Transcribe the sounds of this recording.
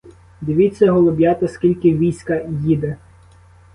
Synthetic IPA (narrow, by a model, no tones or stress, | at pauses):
d̪ɪʋʲit͡sʲːɐɦɔlˠʊbʲjat̪ɐskʲilʲkɪʋʲijsʲkɐjid̪ɛ